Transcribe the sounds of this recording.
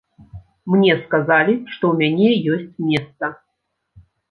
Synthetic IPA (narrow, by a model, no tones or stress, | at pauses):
mnʲɛskazalʲiʂt̪ɔumʲanʲɛjosʲt͡sʲmʲɛst̪ɐ